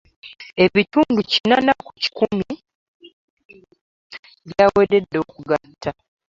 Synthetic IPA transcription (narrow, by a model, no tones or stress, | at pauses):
e̞βituːnducinanakuci̥kumi | βjaweɾedːo̞kuɡatːa